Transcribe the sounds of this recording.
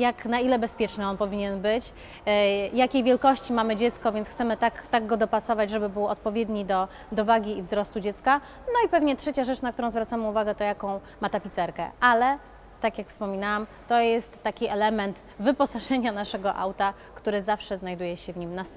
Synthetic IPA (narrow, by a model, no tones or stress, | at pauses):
jaknailɛbɛspʲjɛt͡ʂnɘɔnpɔvʲiɲɛnbɘt͡ɕ | jakʲejvʲjɛlkɔɕt͡ɕimamɘd͡ʑɛt̪skɔvʲjɛnsxt̪sɛmɘt̪akt̪aɡɡɔd̪ɔpasɔvad͡ʑʐɛbɘbɘwɔt̪̚pɔvʲjed̪ɲid̪ɔ | d̪ɔvaɡʲiːvzɾɔst̪ud͡ʑɛt̪ska | nɔipɛvɲɛtʂɛt͡ɕaʐɛt͡ʂnak̚t̪uɾɔ̃w̃zvɾat̪samɘuvaɡɛt̪ɔjakɔ̃w̃ | mat̪apʲit̪sɛɾkɛ̰ʔalɛ | t̪akʲjakfspɔmʲinawam | t̪ɔjɛst̪ːakʲiɛlɛmɛnt̪ | vɘpɔsaʐɛɲanaʂɛɡɔʔa̰wt̪a | kt̪uɾɘzafʂɛznajd̪ujɛɕɛvɲimnas